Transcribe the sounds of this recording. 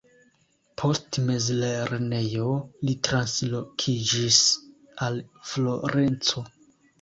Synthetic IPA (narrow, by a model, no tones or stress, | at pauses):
pʰo̞stmezleɾene̞jo̞litɾanslokʰid͡ʒis | alflo̞ɾe̞nt͡so̞